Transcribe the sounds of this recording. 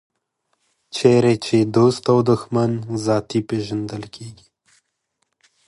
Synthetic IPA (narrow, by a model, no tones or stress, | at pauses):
t͡ʃʰeɾet͡ʃed̪ost̪awd̪ʊxmanzɑt̪ipeʒand̪əlkʰeɡi̥